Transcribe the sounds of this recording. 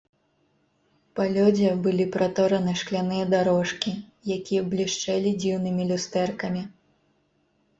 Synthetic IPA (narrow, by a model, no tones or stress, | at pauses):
palʲɔd͡zʲɛbɨlʲipɾat̪ɔɾɐnɨʂklʲanɨjɐd̪aɾɔʂkʲijakʲijɛblʲiʂt͡ʂɛlʲid͡zʲiwnɨmʲilʲust̪ɛrkɐmʲi